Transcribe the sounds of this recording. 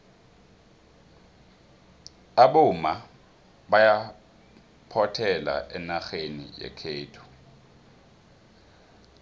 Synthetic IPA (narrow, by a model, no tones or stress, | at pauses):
aɓʊma | ɓaja | pʰɔtʰɛla̰ʔɛnaxenḭjɛ̰kʰeːtʰu̥